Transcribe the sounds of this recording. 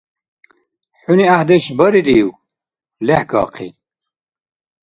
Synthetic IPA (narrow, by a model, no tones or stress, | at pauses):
ħuniahd̪eʃbɐɾid̪iw | lehkɑ̰ːqʰḭ